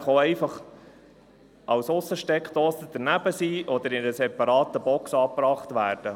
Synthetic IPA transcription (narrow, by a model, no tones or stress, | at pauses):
χoɛɪfɑχ | ʔɑwsʊsːəʃtɛkχt̪ɔːsəd̥̪əɾnæb̥əsiːʔɔd̪əɾɪnəsɛpɑɾɑːt̪əbɔksɑːpɾɑːχt̪ʋæːɾd̥ə